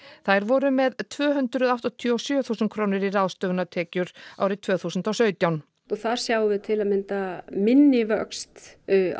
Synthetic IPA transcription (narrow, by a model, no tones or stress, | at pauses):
θajɾvɔɾʏmɛðt̪ʰvœːɦʏnt̪ɾʏðaht̪ɔt̪ʰjɔsjœːθuːsʏnkʰɾoːwnɪɾiraðst̪œvnat̪ʰɛːcʏɾ̥a̰wɾɪt̪ʰvœːθuːsʏnt̪awsœːɥt̪jawn | ɔθaɾ̥sjaːwvɪðt̪ʰɪlaðmɪnt̪amɪnːɪvœkst̪ː